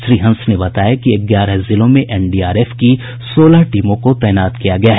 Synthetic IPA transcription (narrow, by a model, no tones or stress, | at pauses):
ʃɾiːɦə̃nsnebɐt̪aːjakiɐɡjaːɾazɪlõmẽʔɛːnɖiːaːɾeːfki | soːlaʈiːmõkot̪ɛːnaːt̪kijaɡɐjaɦ